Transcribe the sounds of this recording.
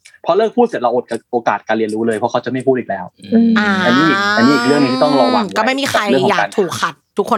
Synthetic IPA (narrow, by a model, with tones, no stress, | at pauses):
pʰɔ˦˥lɤː˥˩k̚ʰu˥˩si˨˩t̚ɾa˧ʔo˨˩t̪̚ka˧˩ʔoː˧kaː˨˩t̪̚kaː˧nli˧ənɾuː˦˥lɤː˧jpʰɔ˦˥kʰa˦˥wt͡ɕa˨˩ma˥˩jʰpʰuː˥˩iː˨˩k̚lɛː˦˥wʔaː˧˩ʔa˧nːiː˦˥a˧niː˦˥ʔiː˨˩k̚lɯ˥˩əŋniː˧t̪ɔ˥˩ŋɾa˧wa˧kɔː˥˧˩ma˥˩jmiː˧xʰa˧jkːaː˨a˧k̚t̪ʰuː˨˩kʰːa˨˩t̪̚ʰːu˦˥kʰːo˧